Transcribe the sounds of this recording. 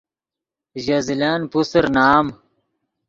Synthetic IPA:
ʑɐzilaːnpusəɾnaːm

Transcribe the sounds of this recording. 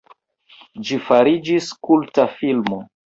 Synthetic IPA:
d͡ʒifaɾid͡ʒiskultafilmo

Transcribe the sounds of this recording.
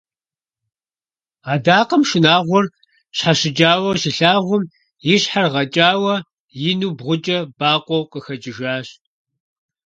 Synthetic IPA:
aːdaːqɐmʃɪnaːʁʷʊr | ɕħaʃɪd͡ʒʼaːwɐʃɪɬaːʁʷʊm | jɪɕħarʁɐt͡ʃʼaːwɐ | jɪnuːbʁʷʊt͡ʃʼɐbaːqʷʼɔwqəxɐd͡ʒʼɪʒaːɕ

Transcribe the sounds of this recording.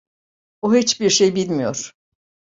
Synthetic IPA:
oɦit͡ʃbiɾʃejbilʲmijoɾ̥

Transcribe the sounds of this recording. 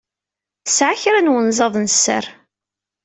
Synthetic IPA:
sʕaçɾænwənzˤɑðˤnsːə̰ɾ

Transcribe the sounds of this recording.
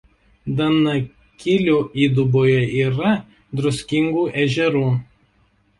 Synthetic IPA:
d̪ɐnɐ | kʲɪlʲuːiːd̪ʊboːjɛiːɾɐ | d̪ɾʊsʲkʲɪŋɡuːʔɛʒʲɛɾuː

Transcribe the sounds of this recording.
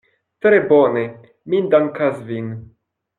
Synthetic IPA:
t̪ɾebone | mind̪aŋkasvin

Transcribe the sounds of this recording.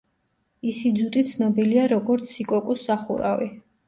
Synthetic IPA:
isid̪zut̪ʼit̪sʰnɔbiliaɾɔɡɔɾt̪sʰikʼɔkʼusːaχṵɾa̰vi

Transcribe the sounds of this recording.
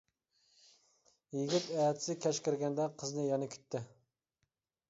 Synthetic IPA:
jiɡʲit̪ɛːt̪ʰɪ̥sɪkʲʰɛʃkʲɪɾɡʲɛnd̪ɛqʰəznɨjɑnɛkʲʰy̥t̪ːɪ

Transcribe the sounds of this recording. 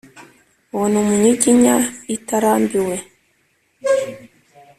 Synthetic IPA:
wonomuɲiɟiɲaitaɾaːmbiwe

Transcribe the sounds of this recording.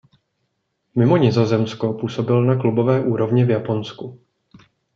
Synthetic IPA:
mɪmo̞ɲɪzo̞zɛmsko̞puːso̞bɪlnaklubo̞vɛːʔuːɾo̞vɲɪvjapo̞nsku

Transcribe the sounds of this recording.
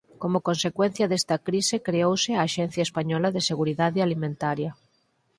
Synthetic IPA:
komokõnsekwẽn̟θjaðest̪akɾisekɾeowseaːʃen̟θjaespaɲɔlaðeseɣuɾiðaðealimẽnt̪aɾja

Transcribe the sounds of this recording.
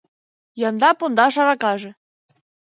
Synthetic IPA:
jɑnd̪ɑpond̪ɑʃɑɾɑkɑʒĕ

